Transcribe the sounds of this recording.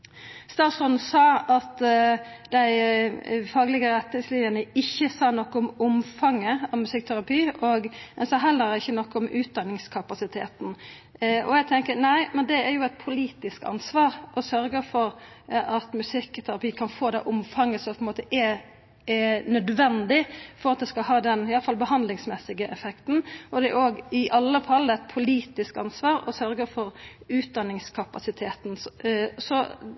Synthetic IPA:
st̪ɑːsɔnsɑːɑt̪ | d̪æɪ | fɑːɡlɪɡəɾɛt̪nɪŋslɪənəɪçːəsɑːnɔkːəʊmʊmfɑŋːəɑʋmʉsɪk̚ːt̪ʰæɾɑpʰiːɔɡd̪ɛnsɑːɦɛlːəɾɪçːənɔkːəɔmʉːt̪̚d̪ɑnːɪŋskʰɑpɑsɪt̪ʰeːt̪n̩ | ʔɔ̰jæɡ̚t̪ʰɛŋkənæɪmɛnd̪ɛæɾjʊɛt̪̚pʰʊliːt̪ɪskɑ̰nsʋɑːɾʔɔsœɾɡəfɔɾ | ɑt̪mʉsɪkːɔt̪ʰæɾɑpiːkʰɑnfoːd̪æ̰ʔʊmfɑŋːəsɔmpʰɔɛnmoːt̪əʔɛ | nœd̪ʋɛnd̪ɪfɔɾɑt̪̚d̪ɛskɑlhɑːd̪ɛnɪɑlːəfɑlbəhɑnd̪lɪŋsmɛsɪɡəʔɛfɛkt̪n̩ʔɔd̪ɛɛɾoːɡɪʔɑlːəfɑlːəɛt̪̚pʰʊliːt̪ɪskɑ̰nsʋɑːɾɔ̰sœɾɡəɾfɔɾ | ʉːt̪̚d̪ɑnːɪŋskʰɑpɑsɪt̪ʰeːt̪n̩sɔ

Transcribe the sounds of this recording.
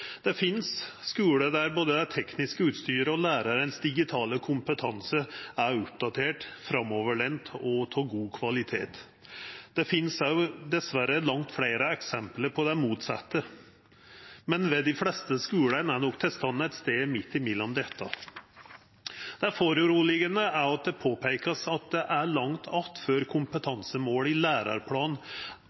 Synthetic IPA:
d̪̥ɛfɪnsskʉːləd̪æɾboːd̪əd̪æt̪ʰɛknɪskəʉːt̪st̪yːɾəɔlæːɾɑɾənsd̪ɪɡɪt̪ʰɑːləkʰʊmpət̪ʰɑnsəæɾʊp̚d̪ɑt̪ʰeːʈfɾɑmɔʋəɭɛnt̪ʰɔt̪ʰɑːɡuːkʰʋɑlɪt̪ʰeːt̪ | d̪̥ɛfɪnsæd̪ɛsʋæɾəlɑŋt̪fɽeɪɾəɛksɛmpləɾpʰɔd̪ɛmuːt̪sɑ̰t̪ːə | mɛnʋɛd̪ɪflɛst̪əskʉːlənænɔkːt̪ʰɪlst̪ɑnːəɛt̪st̪eːmɪt̪ːɪmɪd̪ɔmd̪ɛt̪ʰːɑ̰ | d̪̥ɛæfoɾʉɾuːlɪɡənəæɾɑt̪̚d̪ɛpʰoːpʰæɪkəsɑt̪̚d̪ɛʔæɭɑŋt̪ʰɑft̪føɾkʰʊmpət̪ʰɑnsəmoːlɪlæːɾɑ̰ɾpʰlɑːn

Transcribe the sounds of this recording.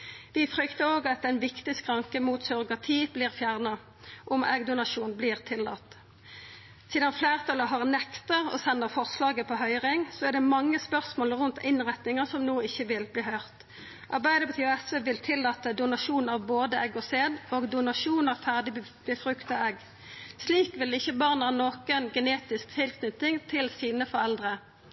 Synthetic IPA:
ʋɪfʁʏkt̪əoːɡɑt̪ɛnʋɪkt̪ɪskʰʁɑŋkəmuːt̪sʏʁɡɑt̪ʰiːb̥liːʁfjæːʁnɑ | ʔɔmʔɛ̰ɡd̪ʊnɑʂuːnbliːʁt̪ʰɪlːɑ̰t̪ | siːd̪ɑnflæːʁt̪ʰɑləɦɑʁnɛkt̪əʁɔ̰sɛnːəʁfɔʁslɑːɡəpʰɔɦœʏʁɪŋsɔɛʁd̪ɛmɑŋːəspœʁsmoːlʁʉnt̪ɪnʁɛt̪nɪŋəsɔmnoːɪçːəʋɪlbliːɦœʏʁt̪ | ʔɑʁbæɪd̪əbət̪ʰyːɔɛsʋeːʋɪlt̪ʰɪlːɑt̪əd̪ʊnɑʂuːnɑʋboːd̪əɛɡɔseːd̪oːɡd̪ʊnɑʂuːnɑʋfæʁd̪ɪ | b̥əfʁʉkt̪ɑɛɡ | sliːkʋɪlɪçːəbɑːʁnɑnoːkənɡɛneːt̪ɪsk̚t̪ʰɪlkʰnʏt̪ɪŋt̪ʰɪlsiːnəfɔʁɛld̪ʁə

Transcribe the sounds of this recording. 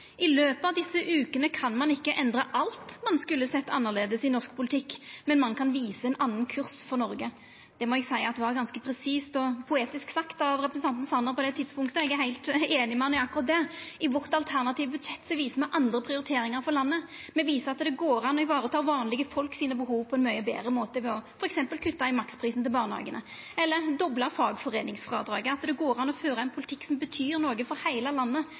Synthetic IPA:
ʔɪløːpəɑʋd̪ɪsːəʔʉːkənəkʰɑnmɑnɪkːəʔɛnd̪ɾəʔɑlt̪mɑnskʉlːəsɛt̪ːɑnːəʁleːd̪əsɪnɔʁsk̚pʰʊlɪt̪ʰɪkːmɛnmɑnkʰɑnʋiːsəɛnɑnːən̩kʰʉʁsfɔɾnɔɾɡə | d̪̥ɛmɔɛɡsæɪəɑt̪d̪ɛʋɑʁɡɑnskəpʰɾɛsiːst̪ɔpʰʊeːt̪ɪsksɑkt̪ɑʋɾɛpɾəsn̩ɑnt̪n̩sɑnəɾpɔd̪ɛt̪ʰɪd̪spʊŋkt̪əɛɡæɦæɪlt̪eːnɪmɛnɛɑkːʊɾɑt̪̚d̪ɛɪʋɔʁt̪ɑlt̪ʰæʁnɑt̪ʰiːʋbʉd̪ʃɛt̪ːsɔʋiːsəmɛʔɑnd̪ɾəpʰɾɪʊɾɪt̪ʰeːɾɪŋɑɾfɔɾlɑnːəmɛʋiːsəɾɑt̪d̪ɛɡoːɾɑnːɔɪʋɑːɾət̪ʰɑːɾʋɑːnlɪɡəfɔlksiːnəbəhuːʋpʰɔɛnmœʏəbḛːɾəmoːt̪əʋɛɔfɔɾɛksɛmpəlkʰʉt̪ːɑɪmɑkspʰɾiːsn̩t̪ɪlbɑːʁnəhɑ̰ːɡənə | ɛlːəɾd̪ɔblɑfɑːɡfɔɾeːnɪŋsfɾɑ̰ːd̪ɾɑːɡəɑt̪d̪ɛɡoːɾɑnɔføːɾɑɛnpʰʊlɪt̪ʰɪkːsɔmbət̪ʰyːɾnoːɡəfɔɾhæɪləlɑnːə

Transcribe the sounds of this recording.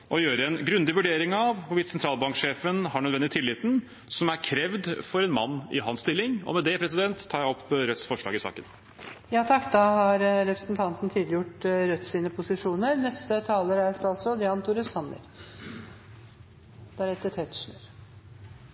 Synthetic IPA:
ʔɔjøːɾəɛnɡɾʉnd̪ɪʋʉɖeːɾɪŋɑʋhʊʋɪt̪sɛnt̪ɾɑːlbɑŋkʂeːfənhɑɳœd̪ʋɛnɪt̪ʰɪlːɪːt̪n̩ | sɔmæɾkʰɾɛʋd̪fɔɾɛnmɑnːɪ̰ɦɑnst̪ɪlːɪŋɔ̰mɛd̪ɛpʰɾɛs̬ɪd̪ɛnt̪ʰːɑːjæɔpʰːɾœt̪sfɔʂɭɑ̰ːɡɪsɑ̰ːkən | jɑːt̪ʰɑkːd̪ɑɦɑɾɾɛpɾəsnt̪ʰɑnt̪n̩t̪ʰyːd̪lɪjʊʈɾœt̪ːsiːnəpʰʊsɪʂuːnəɾnɛst̪ət̪ʰɑːləɾæɪsət̪ɑlsɔd̪ɪɑnt̪ʰuɾəsɑnːə̰ɾ | d̪̥ææɾɛt̪ːəʈʰɛt̪ʂɳɾ

